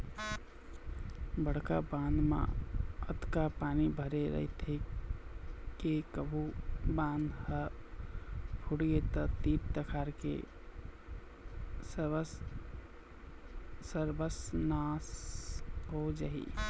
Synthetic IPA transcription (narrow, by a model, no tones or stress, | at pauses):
bəɽ̤ka̰bãnd̪mã̰ə̰t̪kapaːnibʱəɾeɾə̰ɦit̪ʰe | kekəbʱubãːnd̪hə | pʰuɽiɡet̪ət̪ip̚t̪əkʰaɾkḛ | əɾbəsnas | ɦod͡ʒaːɦḭ